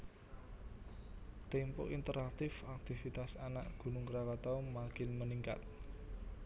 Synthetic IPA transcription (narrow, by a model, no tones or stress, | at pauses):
t̪ɛmpɔ̰ʔint̪əɾak̚t̪ɪfak̚t̪ivit̪asanaʔɡ̥ṳnʊŋkɾakɔt̪ɔmakɪnməniŋka̰t̪̚